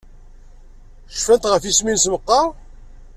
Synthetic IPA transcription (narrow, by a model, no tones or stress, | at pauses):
ʃfænt̪ʁəfisminsməqːɑ